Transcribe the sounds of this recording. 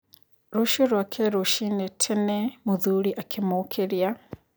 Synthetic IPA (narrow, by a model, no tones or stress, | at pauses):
ɾuʃiɾwakʰɛɾuʃinɛtʰɛnɛmuðuɾiʔakʰimukʰɛɾja